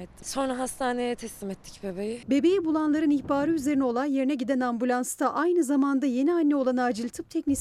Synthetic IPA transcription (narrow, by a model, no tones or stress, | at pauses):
ɛt̪ʰːso̞nɾaɦast̪ʰaːnejɛt̪ʰɛslimɛt̪ʰːi̥cbebejibe̞be̞jibulˠanlˠaɾɯniçbaːɾɯyze̞ɾinɛo̞lˠanje̞ɾinɛɟid̪ænambulʲˠanst̪aʔajnɯzamand̪aje̞nianʲːɛo̞lˠanaːd͡ʒilʲt̪ʰɯp̚t̪ʰɛcʲnis